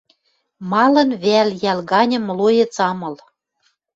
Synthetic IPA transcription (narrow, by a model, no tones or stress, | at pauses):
mɑlɤ̆nβeæljælɣɑnʲɤ̆mlojɤ̆t͡sɑmɤ̆l